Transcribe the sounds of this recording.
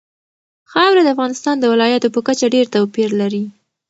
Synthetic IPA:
xɑwɾad̪əafɣɑnɪst̪ɑnd̪əwɪlɑjat̪opəkat͡ʃaɖeɾt̪awpiɾlaɾi

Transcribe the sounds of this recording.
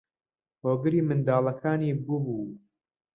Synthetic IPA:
hoːɡɨɾiːmɨnd̪aːlˠɐkʰaːniːbʊbuː

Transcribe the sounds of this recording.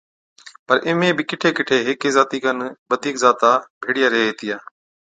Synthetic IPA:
pəɾʔɪmẽːbɪkɪʈʰeːkɪʈʰeːɦɪkeːzaːt̪iːkənbəd̪ʱiːkzaːt̪aːbʱeːɽɪjaːɾeɦeeːt̪ijaː

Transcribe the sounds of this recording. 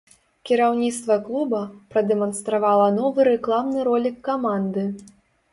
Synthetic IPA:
kʲiɾawnʲit̪st̪vɐklˠubɐpɾɐd̪ɛmɔnst̪ɾavalˠɐnɔvɨɾɛklˠamnɨɾɔlʲikːamand̪ɨ

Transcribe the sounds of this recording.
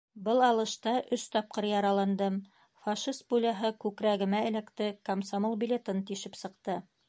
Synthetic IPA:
bɤlˠɑlˠɤ̆ʃt̪ɑʔɵst̪ɑp̚qɤɾjɑɾɑlˠɑnd̪ɤm | fɑʃist̪̚bulʲɑɦɤkʉkɾæɡɘ̆mæɘ̆lækt̪ɘkomsamolˠbʲilʲet̪ɤnt̪iʃɘpsɤ̆qt̪ɤ

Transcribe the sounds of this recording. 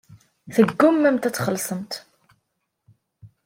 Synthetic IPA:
θəɡːʊmːæmt̪æt͡sːχəlsˤəmt̪

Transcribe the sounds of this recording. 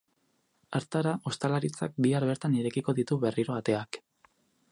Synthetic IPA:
aɾt̪aɾaʔo̞st̪alaɾit͡sa̰k̚biaɾβe̞ɾt̪aniɾe̞kiko̞ðit̪uβe̞riɾo̞at̪e̞ak

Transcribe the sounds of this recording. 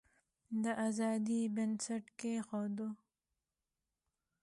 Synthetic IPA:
d̪əʔazɑd̪ibənsaʈkexod̪o

